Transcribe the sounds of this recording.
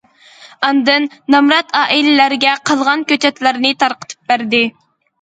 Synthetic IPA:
ɑnd̪ɨnːɑmɾɑt̪ʰɑːʔilɪlæɾɡʲɛqʰɑlˠʁɑnkʲøt͡ʃʰɛt̪læɾnɨt̪ʰɑɾqə̥t̪ʰɨ̥p̚bæɾd̪ɪ

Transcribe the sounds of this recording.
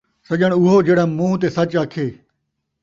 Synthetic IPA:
sɐʄəɽ̃ʊɦod͡ʒeːɽãːmũːt̪̬eːsɐt͡ʃaːkʰeː

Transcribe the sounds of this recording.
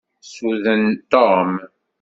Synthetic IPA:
suðənt̪om

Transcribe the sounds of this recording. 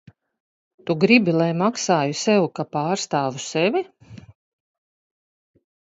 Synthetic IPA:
t̪uɡɾibilˠajmaksaːjusɛwkapaːɾst̪aːvusɛvʲi

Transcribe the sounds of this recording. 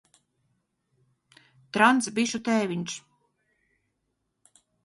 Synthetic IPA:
t̪ɾant̪sbiʃut̪ɛːviɲʲʃ

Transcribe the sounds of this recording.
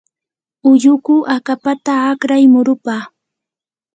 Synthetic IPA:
ʊʎʊkʊʔakapat̪aːkɾajmʊɾʊpaː

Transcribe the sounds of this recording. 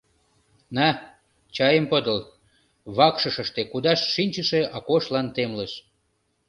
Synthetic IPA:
næ | t͡ɕɑjəmpəd̪əl | βɑkʃə̆ʃəʃt̪ekud̪ɑʃːinʲt͡ɕəʃeʔɑkoʃlɑnt̪emləʃ

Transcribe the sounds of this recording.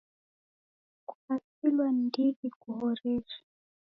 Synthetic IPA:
ku̥pakilwandiɡikuɦɔɾɛɾa

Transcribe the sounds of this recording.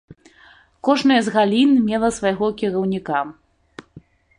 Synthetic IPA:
kɔʐnɐjɐzɣalʲinmʲɛlˠɐsvajɣɔkʲiɾɐwnʲika

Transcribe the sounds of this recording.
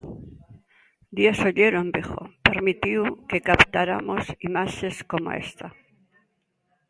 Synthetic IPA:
d̪jesoʎeɾombixo̰peɾmit̪iwkekapt̪aɾamosimaʃeskomo̰ḛst̪a

